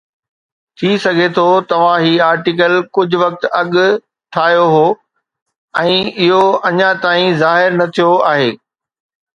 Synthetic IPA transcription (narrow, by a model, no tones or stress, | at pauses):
t̪ʰisɐɡʱet̪ʰoːt̪ɐʋ̤ãɦiːaːɾʈɪk̬əlkʊd͡ʑʱʊʋɐk̚t̪ɐɠʊ̆ | ʈʰaːɦjoɦoː | ɛ̃ːɪɦoɐɲãt̪aːĩzaːɦɪɾnɐt̪ʰijoaːɦeː